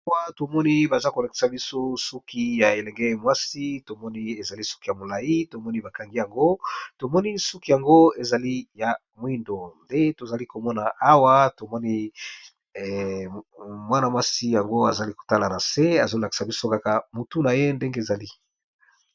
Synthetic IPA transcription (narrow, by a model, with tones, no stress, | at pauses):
a˦wa˦to˨mɔ˦ni˦ba˨za˦ko˨la˨ki̥˨sa˨bi˦so˦su˦ki˦ja˨e˨lɛ˨ŋɡɛ˦mwa˦si˦to˨mɔ˦ni˦e˨za˨li˦su̥˦ki˦ja˨mo˨la˨ji˦to˨mɔ˦ni˦ba˨ka˨ŋɡi˦ja˨ŋɡo˦to˨mɔ˦ni˦su˦ki˦ja˨ŋɡo˦e˨za˨li˦ja˨ | mwi˦ndo˨nde˦to˨za˨li˦ko˨mɔ˦na˨a˦wa˦to˨mɔ˦ni˦˨ | mwa˦na˨mwa˦si˦ja˨ŋɡo˦a˨za˨li˦ko̥˨ta˦la˨na˨se˦a˨zo˦la˨ki̥˨sa˨bi˦so˦ka˦ka˨mo˨tu˦na˨je˦nde˦ŋɡe˦˨za˨li˦